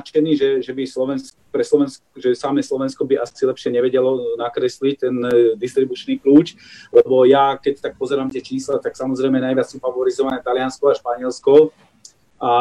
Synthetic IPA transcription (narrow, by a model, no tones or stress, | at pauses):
t͡ʃɛniːʒɛʒɛbislɔʋɛns | pɾɛslɔʋɛnskʒɛsamɛːslɔʋɛnskɔbiʔasilɛpʃɪɛɲɛʋɛɟɛlɔnakɾɛslic̚t̪ɛnd̪ist̪ɾibut͡ʃniːkluːt͡ʃ | lɛbɔjakɛct̪ak̚pɔzɛɾaːmt̪ɪɛt͡ʃiːslat̪aksamɔzɾɛɪmɛnajʋɪat͡ssufaʋɔɾizɔʋanɛːt̪alɪanskɔaʃpaɲɪɛlskɔ | a